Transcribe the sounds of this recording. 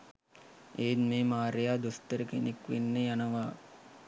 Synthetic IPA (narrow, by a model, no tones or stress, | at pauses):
eːnmeːmaːɾejaːd̪ost̪əɾəkenekʋenːəjanɐʋaː